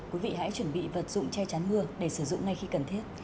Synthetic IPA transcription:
kwi˨˦vḭ˧˨ha̰˧˥jt͡ɕwə˧˩nɓḭ˧˨və˨˩t̚zʊ̰˧˨ŋ͡mt͡ɕɛ˧t͡ɕa˨˦nmɨ˧əɗe˧˩sɨ˧˩zʊ̰˧˨ŋ͡mŋa˧jxi˧kə˨˩nt̪ʰi˦˥ət

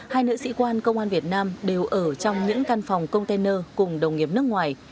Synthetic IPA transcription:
haː˧jnə̰ː˧˥sḭ˧˥kwaː˧nkə˧wŋ͡mʔaː˧nvi˨˩ət̚naː˧mɗe˨˩wʔəː˧˩t͡ɕɔ˧wŋ͡mɲɨ̰˧˥ŋka˧nfɔ˨˩wŋ͡mkə˧wŋ͡mt̪ɛ˧nəː˧kʊ˨˩ŋ͡mɗə˨˩wŋ͡mŋi˨˩əp̚nɨ˦˥ək̚ŋwaː˨˩j

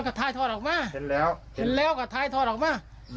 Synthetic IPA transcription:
ka˧˩t̪ʰaː˧˩jt̪ʰɔː˧˩ɔː˨˩k̚maː˧˥˩ɛː˦˥whe˨nlɛː˦˧˥wkaː˧˩t̪ʰaː˧˩jt̪ʰɔː˧˩t̚ʔɔ˨˩maː˧˥˩

